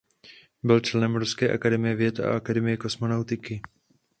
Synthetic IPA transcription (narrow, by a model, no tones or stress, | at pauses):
bɪlt͡ʃlɛnɛmɾuskɛːʔa̰kadɛmɪjɛvjɛt̪a̰ʔakadɛmɪjɛko̞smo̞nawt̪ɪkɪ